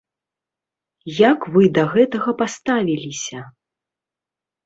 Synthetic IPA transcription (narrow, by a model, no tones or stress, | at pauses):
jakvɨd̪ɐɣɛt̪ɐɣɐpast̪avʲilʲisʲɐ